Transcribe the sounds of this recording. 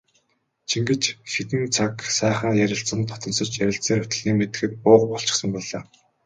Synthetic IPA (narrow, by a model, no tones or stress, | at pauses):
t͡ɕʰiŋɡɘ̆t͡ɕxet̪ɘ̆nt͡sʰaksæːχaːjæɾʲɪ̆ɬt͡sə̆nt̪ʰːɔ̥t̪ɞ̆nsɞ̆t͡ɕjæɾʲɪ̆ɬsiːɾɵt̪ɘ̆ɮiːŋmet̪ɘ̆xɘ̆t̪̚pʊːqpɔɬt͡ɕɪ̥̆χsə̆mpɔɮaː